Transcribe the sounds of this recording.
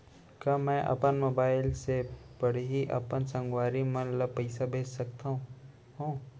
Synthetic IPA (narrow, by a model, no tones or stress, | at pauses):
kɐmɛ̃ːʔɐ̰pənmoːbaːɪlsepɐɽeɦiʔɐ̰pənsɐ̃ŋɡwaːɾimɐnləbpɐɪsabʱeːt͡ʃsɐk̚t̪aɦũ | ɦũː